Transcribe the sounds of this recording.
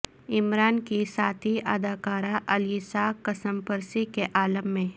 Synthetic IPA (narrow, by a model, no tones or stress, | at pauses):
ɪmɾaːnkisaːt̪ʰiʔɐd̪aːkaːɾaʔɐljisaːkːɐsəmpɐɾsikeʔaːləmːẽ